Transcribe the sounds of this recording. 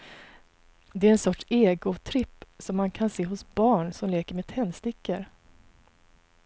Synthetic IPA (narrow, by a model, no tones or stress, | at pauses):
d̪ɛæɾɛnsɔʈʂeːɡʊt̪ʰɾɪpːsɔmːankʰanseːɦʊsbɑːɳsɔmleːkəɾmet̪ʰɛnːst̪ɪkːəɾ